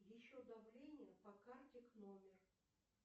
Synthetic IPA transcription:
jɪɕːod̪ɐvlʲenʲɪjəpɐkart̪ʲɪknomʲɪr

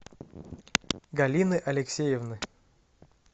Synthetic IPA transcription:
ɡɐlʲinɨʔɐlʲɪksʲejɪvnɨ

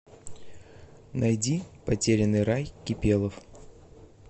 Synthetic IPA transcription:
nʔɐjdʲipɐtʲeɾʲɪnːɨjɾajkʲɪpʲelˠəf

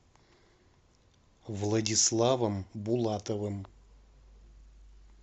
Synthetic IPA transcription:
vlˠɐdʲislˠavəmbʊlˠat̪əvɨm

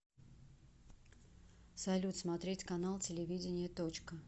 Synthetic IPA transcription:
sɐlʲut̪smɐt̪ɾʲetʲkɐnalˠtʲɪlʲɪvʲidʲɪnʲɪjət̪ot͡ɕkə

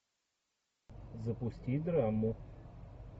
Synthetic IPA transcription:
zəpʊsʲtʲid̪ɾamu

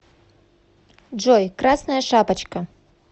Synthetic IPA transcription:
d͡ʐɔjkrasnɐjɐʂapɐt͡ɕkɐ

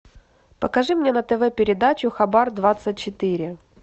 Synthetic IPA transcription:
pəkɐʐɨmnʲenət̪ɛvɛpʲɪɾʲɪd̪at͡ɕʊxɐbard̪vat̪sɨt̚ʲt͡ɕɪt̪ɨɾʲɪ

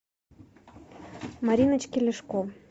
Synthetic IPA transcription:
mɑɾʲinət͡ɕkʲelʲeʃko

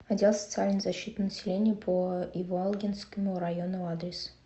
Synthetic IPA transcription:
ɐdʲelˠsə̥t̪sɨalʲnəjzɐɕːit̪nənəsʲɪlʲenʲɪjəpʰəjɪvoalˠɡʲɪnskəmʊɾɐjonəad̪ɾʲɪs

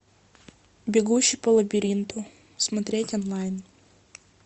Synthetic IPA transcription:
bʲɪɡuɕːipɐlˠɐbʲɪɾʲint̪ʊ | smɐt̪ɾʲetʲɔnlˠajn

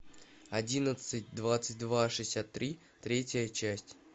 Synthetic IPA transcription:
ɐdʲinət̪sɨt̚ʲd̪vat̪sɨt̚ʲd̪vaʂɨsʲat̪ːɾʲi | t̪ɾʲetʲəjət͡ɕæsʲtʲ

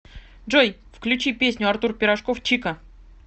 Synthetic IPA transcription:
ʐoj | fklʲʉt͡ɕipʲesʲnʲʊɐrt̪urpʲɪɾɐʂkoft͡ɕikə

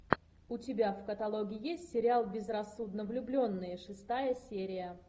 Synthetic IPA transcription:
ʊtʲɪbʲafkət̪ɐlˠoɡʲɪɪjesʲtʲsʲɪɾʲɪalˠbʲɪzrɐsːud̪nəvlʲʊblʲo̞nːɨjəʂɨst̪ajəsʲeɾʲɪjə

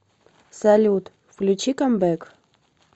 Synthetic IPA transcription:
salʲut̪ | flʲut͡ɕikambɛk

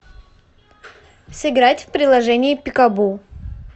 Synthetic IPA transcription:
sɨɡɾatʲfpɾʲɪd̪lˠɐʐɛnʲɪːpʲɪkɐbu

